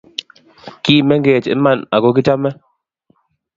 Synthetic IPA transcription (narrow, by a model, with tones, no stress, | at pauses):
kiː˦˨mɛ˦ŋɡɛ˨tḭ˦ma˦˨na˨kɔ˦k̬i˦ta˦mːɛ˦